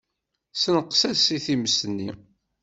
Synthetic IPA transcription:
sənəqːsæsiθiməsənːḭ

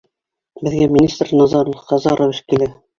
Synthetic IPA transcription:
bɘ̆ðɡæmʲinʲist̪rnɑzɑɾŏlqɑzɑɾʔowɘ̆ʃkilɘ

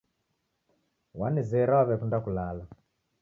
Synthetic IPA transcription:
wanizɛɾawaβɛkundakulala

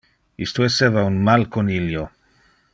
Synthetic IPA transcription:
ḭst̪oesevaunmalkoniljo

